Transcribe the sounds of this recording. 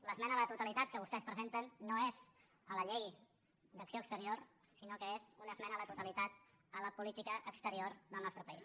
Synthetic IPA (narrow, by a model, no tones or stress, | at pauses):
ləzmɛnələt̪ut̪əlit̪at̪̚kəβust̪ɛspɾəzent̪ənːoez | ələʎej | d̪əksioəkst̪əɾioɾ | sinokəezunəzmɛnələt̪ut̪əlit̪at̪̚ | ələpulit̪ikəʔəkst̪əɾioɾðəlˠnɔst̪ɾəpəis